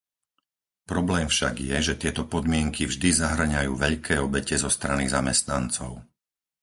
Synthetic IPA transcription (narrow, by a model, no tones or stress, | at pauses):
pɾɔblɛːmfʃaɡjɛʒɛt̪ɪɛt̪ɔpɔd̪mɪɛŋkʰivʒd̪izaɦr̩ɲajṵːʋɛʎkʰɛːɔbɛcɛzɔst̪ɾanizamɛst̪nant͡sɔʊ